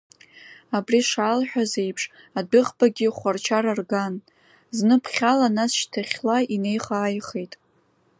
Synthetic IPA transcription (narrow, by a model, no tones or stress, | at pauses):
abriʂaːlħʷᶣaze̞jpʰʂ | adɨʁbaɡʲɪχʷart͡ʃʰaɾarɡan | znɨpʰχʲalanasʃtʰaχʲlaine̞jχaːjχejtʼ